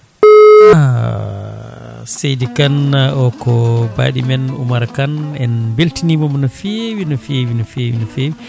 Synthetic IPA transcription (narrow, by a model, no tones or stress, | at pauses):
a | sejdikanɔkɔba̰ːɗimɛnṵmaɾakanɛnbeltinimɔmɔnɔfiewinɔfiewinɔfewinɔfewi